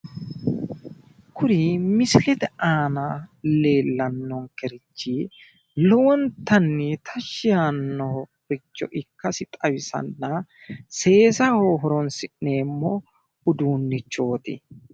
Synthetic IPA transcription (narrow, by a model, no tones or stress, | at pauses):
kʰʊɾimɪsɪlɛt̪ɛaːnale̞ːlːɐnːɔŋkɛɾɪt͡ʃːiː | lɔwɔnt̪ɐnːit̪ʰɐʃːɪjanːɔbɪt͡ʃːɔ̰ʔɪkːɐsɪt̪ʼɐwɪsɐ̰nːɐ | se̞ːsɐhoːɦɔɾɔnsɪʔne̞ːmːɔ | ʊd̪uːnːɪt͡ʃːo̞ːt̪ɪ̰